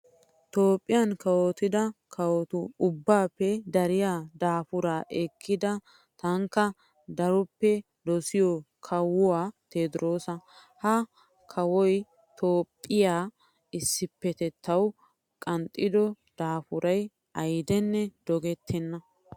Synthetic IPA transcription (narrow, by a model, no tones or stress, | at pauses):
t̪oːpʼːɪjɐnkɐwot̪ɪd̪ɐkʰɐwɔt̪ʊʊbːaːpːɛd̪ɐɾɪjaːd̪aːfʊɾaːʔɛkʰːɪd̪ɐ | t̪ɐŋkːɐ | d̪ɐɾɔpːɛ | d̪ɔsɪjɔ | kʰɐwːʊaːt̪eːt̪ɪɾo̞ːsɐ | hɐ | kʰɐwɔj | t̪ʰo̞ːpʼːɪjaː | ɪsːɪpːɛt̪ɛt̪ʰːɐw | kʼɐnt̪ʼːɪd̪ɔ | d̪̥aːfʊɾɐj | ʔɐjd̪ɛnːɛd̪̥ɔɡɛt̪ʰːɛnːɐ